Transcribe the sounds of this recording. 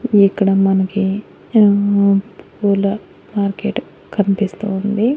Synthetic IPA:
ikːɐɽɐmɐnɐki | ppuːlɐ | maːɾkeʈ | kʰɐnipist̪uːnd̪i

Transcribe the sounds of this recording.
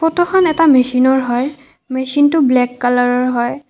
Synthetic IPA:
pɔtɔxʰɔnɛtamesinɔɹɦɔj | mesintʊblɛkːalaɹɔɹɦɔj

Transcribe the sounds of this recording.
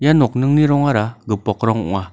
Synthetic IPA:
janɔk̚nɯŋniɾɔŋaɾaɡɯpɔkɾɔŋṵŋa

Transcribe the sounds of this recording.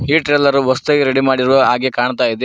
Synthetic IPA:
ɦiːʈɾeːlɐɾuʋɐst̪ɐːɡeɾeɽimaːɽiɾʋoɦaːɡekaːɳt̪aːjid̪e

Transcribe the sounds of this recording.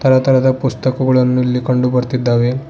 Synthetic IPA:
t̪əɾat̪əɾad̪apust̪əkuɡuɭɐnːulːikəɳɖupəɾt̪id̪aʋe

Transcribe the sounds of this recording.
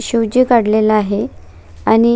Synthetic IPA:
ɕuwd͡ʑikaɽlelaaɦe | añi

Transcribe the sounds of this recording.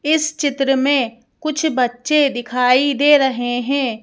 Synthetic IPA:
ɪst͡ʃɪt̪ɾəmẽ | kʊt͡ʃʰbɐtːʃed̪ɪkʰaːid̪eːɾɐɦeɦɛ̃ː

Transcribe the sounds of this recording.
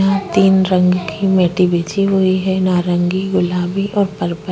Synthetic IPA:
ɦãt̪iːnɾə̃ŋɡkimeːʈibeːt͡ʃiɦʊiɦɛnaːɾə̃ŋɡiɡʊlaːbiʔɔːɾpəɾpə

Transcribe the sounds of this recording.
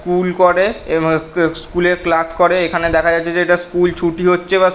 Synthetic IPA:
kulkoɾe | skuleɾklaskoɾeekʰaned̪ɛkʰad͡ʑatːɕʰed͡ʑeeʈaskult͡ɕʰuʈiɦotːɕʰeβa

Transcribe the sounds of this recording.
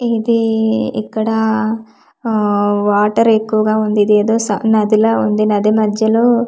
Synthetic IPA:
id̪iḭkːɐɽɐ | ʋaːʈɐɾekːuʋɐɡaːond̪id̪eed̪oːsɐ̰nɐd̪ilɐond̪inɐd̪imɐd̪jɐlu

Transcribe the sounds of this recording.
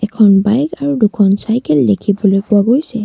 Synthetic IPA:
ɛkʰɔnbajkaɹudukʰɔnsajkɛldekʰibɔlojpʊaɡojsɛ

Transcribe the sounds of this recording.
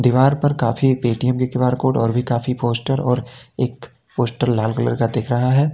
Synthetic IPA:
d̪iʋaːɾpɐɾkaːfipeːʈijəmkekɪʋaːɾkoːʈɔːɾbʱikaːfipoːsʈəɾɔːɾeːk | poːsʈəɾlaːlkələ̰ɾkad̪eːkʰɾɐɦaɦɛː

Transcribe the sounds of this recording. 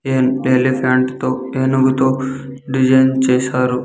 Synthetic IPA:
enelipʰaːɳʈt̪oeːnuɡut̪oː | ɖid͡ʒɐjnt͡ʃɛːsaːɾu

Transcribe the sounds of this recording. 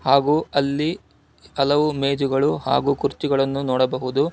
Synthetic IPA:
haːɡuːɐlːi | ɐlɐʋumeːd͡ʒuɡɐɭuha̰ːɡuːkuɾt͡ʃiɡɐɭɐnːunɔːɽɐbɐɦud̪u

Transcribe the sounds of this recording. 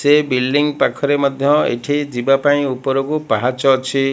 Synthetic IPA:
sebilɖiŋɡpakʰɔɾemɔd̪ʱjɔḛʈʰid͡ʒibapaĩupɔɾɔkupaɦat͡ʃɔːt͡ʃʰi

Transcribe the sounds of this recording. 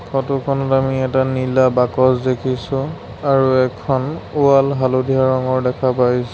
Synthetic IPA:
kʰɔtʊkʰɔnɔtamiɛtanilabakɔsdekʰisʊ̃ | aɹuɛkʰɔnualɦalodʱiaɹɔŋɔɹdɛkʰapajs

